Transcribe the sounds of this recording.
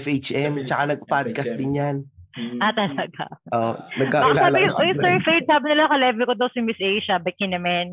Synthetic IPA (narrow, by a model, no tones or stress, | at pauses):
fʔet͡ʃʔɛmt͡ʃɐkanɐɡ̚pad̪̚kɐst̪̚d̪ɪnjanʔat̪ɐlɐɡa̰ʔonɐkːasaːɪjʊʔojʊsɛɹfɛd̪̚saːbɪnɪlɐkɐlɛvɛlkod̪owsɐmɪsʔejʃɐbɐjkɪnɐmɐn